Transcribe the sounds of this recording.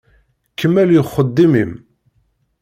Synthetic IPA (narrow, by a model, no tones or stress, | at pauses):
kːəmːæljəχːəd̪ːimim